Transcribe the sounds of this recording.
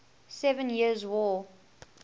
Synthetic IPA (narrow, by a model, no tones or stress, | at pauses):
sɛvə̃njiəzwɔ